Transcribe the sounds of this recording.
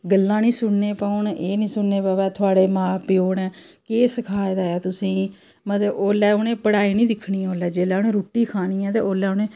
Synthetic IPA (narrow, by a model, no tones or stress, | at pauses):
ɡəlːãːnĩːsʊɳneːpaʊːɳeːnĩːsʊɳneːpːʋɛːt̪ʰʊaːɽeːmãːpɪjoːɳɛ̃ːkeːsəkʰaːed̪aːaːt̪ʊsĩː | mət̪ləboːlɛːʊnẽːpəɽaːiːnĩːd̪ɪkʰɳiːɛ̃oːlɛːd͡ʒeːlɛːonẽːɾoːʈːiːkʰaːnĩːɛ̃ːt̪ḛːoːlɛːʊnẽː